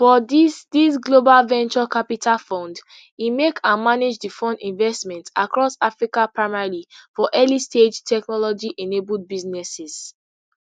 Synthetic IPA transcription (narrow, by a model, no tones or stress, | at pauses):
fɔdisdisɡlobalvɛ̃nt͡ʃɔkapitʰalfɔ̃nd | imekʰãnmaned͡ʒdifɔ̃ndĩnvɛstmɛ̃ntakɹɔsafɹikapɹaɪmalifɔʔɛlisted͡ʒtʰɛknɔlɔd͡ʒiʔɛnebuld̚biznɛsɛz̥